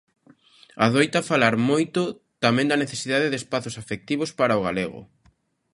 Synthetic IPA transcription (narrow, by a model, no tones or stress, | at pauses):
aðojt̪afalaɾmojt̪ʊ | t̪amɛ̃nd̪ɐneθesiðaðeðespaθosafek̚t̪iβospaɾaoɣa̰leɣʊ̰